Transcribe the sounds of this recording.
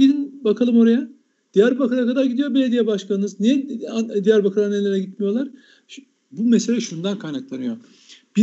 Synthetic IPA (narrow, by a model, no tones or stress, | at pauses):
id̪inbakʰalˠɯmo̞ɾaja | d̪̥ijæɾbakalakʰad̪aɾɟid̪ijobelʲed̪ijɛbaʃkʰanɯnɯzniɛd̪ijæɾbakʰalanːelʲeɾɛɟit̪mijo̞lˠaɾ̥ | bumese̞lʲɛʃund̪ankʰajnaklˠanɯjo̞ | b̥i